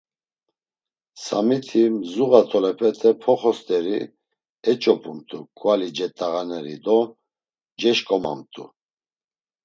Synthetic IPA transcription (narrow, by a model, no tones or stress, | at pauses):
samit̪ʰimzuɣat̪ʰɔlɛpʰɛt̪ʰʼɛpʰɔχɔst̪ʼɛɾi | ɛt͡ʃʼɔpʼumt̪ʼukʼvalid͡ʒɛt̪ʼaɣanɛɾḭd̪ɔ | d͡ʒɛʃkʼɔma̰mt̪ʼu